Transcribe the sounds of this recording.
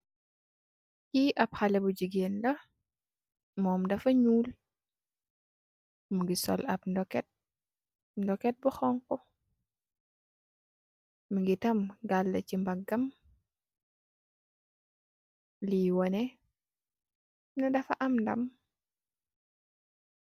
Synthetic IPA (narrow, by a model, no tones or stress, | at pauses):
kiʔɐp̚xɐlɛbuɟiɡeːndɐ | mɔːmdɐfɐɲuːl | muɡisɔ̰lɐp̚ndɔkɛt̚ | ndɔkɛt̚buxɔŋkɔ | muɡitɐmɡalːɐcimbɐɡːɐm | liːwɔnɛ | nɐdɐfɐʔɐmndɐ̰m